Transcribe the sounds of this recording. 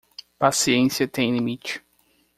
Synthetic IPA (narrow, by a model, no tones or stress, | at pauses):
pasiẽsiɐt̪ẽj̃limit͡ʃɪ̥